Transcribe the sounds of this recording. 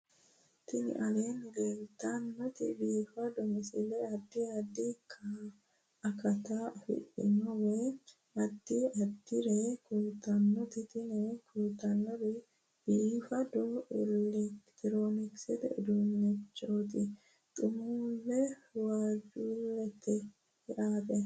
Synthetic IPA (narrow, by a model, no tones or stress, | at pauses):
t̪ɪnɪ̰ʔɐleːnɡeːlt̪ːɐnːɔt̪ɪbiːfɐd̪ɔmɪsɪlɛɐd̪ːɪɐd̪ɪkʰːa | ɐkɐt̪afɪ̰ʔɪ̰nɔwɛ | ɐd̪ːɪɐd̪ːɪɾɛkuːt̪ːɐnːɔt̪ɪt̪ɪnɛkʰuːt̪ːɐnːɔdɛ | biːfɐd̪ɔʔɪlɛkt̪ɪɾoːnɪksɛd̪ɛ̰ʔɛd̪unːɛt͡ʃːoːt̪ɪ | t̪ʼʊmuːlːɛwaːd͡ʒuːlːɛt̪ɪ | ɪʔaːtɛ